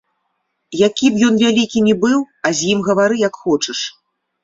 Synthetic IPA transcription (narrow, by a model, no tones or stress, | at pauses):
jakʲipjɔnvʲalʲikʲinʲibɨw | azʲjimɣɐvaɾɨjakxɔt͡ʂɐʂ